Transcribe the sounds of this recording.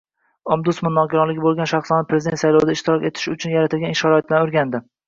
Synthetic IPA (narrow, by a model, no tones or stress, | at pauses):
ɒmd̪ʊsmʊnːɒɡʲɪɾɒlɪɡʲɪbolˠɡʲanʃaχsɒnɪpʰɾezɪd̪ent̪sajlɒwd̪aɪʃt̪ɪɾɒkʲe̞t̪ʰɪ̥ʃʊt͡ʃʰʊnjaɾat̪ʰɪlɡʲanʃaɾɒet̪̚lanʊɾɡʲand̪ɪ